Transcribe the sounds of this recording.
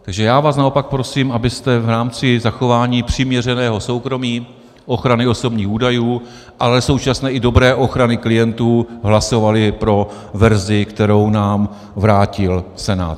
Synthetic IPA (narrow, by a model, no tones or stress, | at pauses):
t̪aɡʒɛjaːvaːsnao̞pak̚pɾo̞siːmʔabɪst̪ɛvɾaːmt͡sɪzaxo̞vaːɲiːpr̝̥ɪmɲɛr̝ɛnɛːɦo̞so̞wkɾo̞miː | ʔo̞xɾanɪo̞so̞bɲiːxuːdajuː | ʔalɛso̞wt͡ʃasnɛːʔɪdo̞bɾɛːʔo̞xɾanɪklɪjɛnt̪uːɦlaso̞valɪpɾo̞ | vɛɾzɪkt̪ɛɾo̞wnaːm | vɾaːcɪlsɛna̰ːt̪